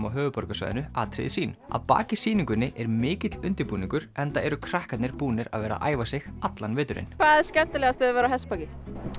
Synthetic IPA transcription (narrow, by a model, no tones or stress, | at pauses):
mawɦœːvʏpɔɾkasvœ̰ðɪ̰nʏa̰ːt̪ʰɾɪ̰ðɪsiːna̰ðpa̰ːcɪsiːniŋkʏnːɪʔɛɾmɪːcɪt̪lʏnt̪ɪɾpuːniŋkʏɾɛnt̪aɛɾʏkʰɾahkat̪nɪɾpuːnɪɾa̰ðvɛːɾa̰ʔa̰ːjvasɪɣat̪lanvɪːt̪ʏɾɪ̰nkʰvaːðɛ̥skcɛn̥t̪ɪlɛɣast̪œðvɛɾahɛspaːcɪ